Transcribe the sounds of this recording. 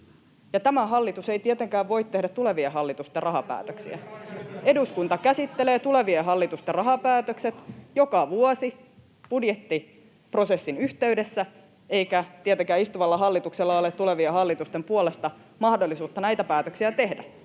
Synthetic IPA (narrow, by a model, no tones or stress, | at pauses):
jɑt̪æmæɦɑlːit̪usejt̪iet̪eŋkæːʋʋo̞it̪t̪ːe̞hdæt̪tːule̞ʋieɦɑlːit̪ust̪erɑɦɑpæ̰ːt̪øksḭæ̰e̞duskunt̪ɑkæsit̪ːeleːt̪ule̞ʋieɦɑlːit̪ust̪erɑɦɑpæːt̪økset̪jokɑʋuosi | b̥udjet̪ːi | pro̞se̞sːinyht̪e̞yde̞sːæ | eikæt̪iet̪eŋkæːist̪uʋɑlːɑɦɑlːit̪ukselːɑolet̪ːule̞ʋieɦɑlːit̪ust̪empuolest̪ɑ | mɑhdolːisuːt̪ːɑnæjt̪æpæːt̪øksiæt̪e̞hdæ